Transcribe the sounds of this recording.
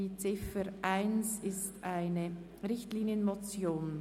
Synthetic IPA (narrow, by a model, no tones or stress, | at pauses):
iːt͡sɪfəɾʔaɪnsɪstʔaɪnə | ʁɪçtliːnjənmot͡sjoːn